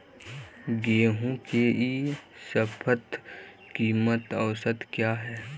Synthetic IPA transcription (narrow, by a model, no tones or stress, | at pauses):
ɡeːɦũkeisəpʰət̪ | kiːmət̪əʋsət̪kjaːɦɛː